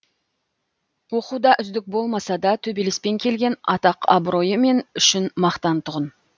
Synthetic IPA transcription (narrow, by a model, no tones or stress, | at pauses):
wo̞qud̪ɑʔʏzd̪ɪk̚bo̞lˠmɑsɑd̪ɑt̪ʰɵbelespe̞ŋkʲʰe̞lɡʲe̞nɑt̪ɑqʰɑ̰bɾo̞jəme̞nʏʃɪnmɑqt̪ɑnt̪ʰʊʁən